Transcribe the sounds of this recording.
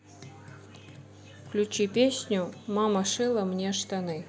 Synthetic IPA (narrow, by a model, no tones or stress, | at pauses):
klʲut͡ɕipʲesʲnʲumɑməʂɨlˠəmnʲeʂt̪ɑnɨ